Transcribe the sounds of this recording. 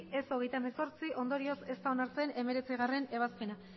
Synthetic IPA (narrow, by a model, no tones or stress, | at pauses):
e̞so̞ɣe̞jt̪ameso̞ɾt͡siʔo̞nd̪o̞ɾio̞se̞st̪aonaɾt͡se̞ne̞me̞ɾe̞t͡siɣ̞are̞ne̞β̞aspe̞na